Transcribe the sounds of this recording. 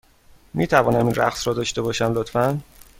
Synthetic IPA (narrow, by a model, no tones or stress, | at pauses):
miːt̪ʰævɒːnæminɾæ̰xsɾɒːd̪ɒːʃt̪e̞bɒːʃæmlot̪fæn